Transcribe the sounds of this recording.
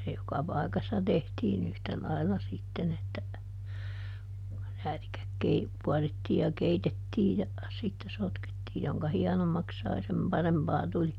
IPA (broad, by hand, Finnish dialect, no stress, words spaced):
se jokɑ pɑi̯kɑsːɑ tehtiːn yhtæ lɑilːɑ sitːen etːæ ræːtikæk kei kuɑritːiːj jɑ keitetːiːj jɑ sitːe sotketːiː joŋkɑ hiɛnomːɑks sɑi sem pɑrempɑː tuli